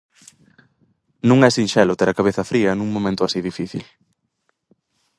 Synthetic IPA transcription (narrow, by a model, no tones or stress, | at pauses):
nũŋɛsinʃɛlot̪ɛɾɐkaβeθɐfɾiɐnũŋmõmẽnt̪ʊasiðifiθḭl